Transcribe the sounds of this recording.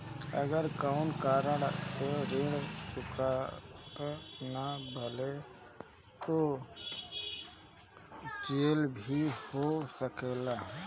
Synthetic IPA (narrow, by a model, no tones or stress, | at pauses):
ə̰ɡəɾkaʊnkaːɾəɽseɾeːɽt͡ʃʊkʰat̪anabʱəle | t̪o | t͡ʃeːlbʱihosəkeːla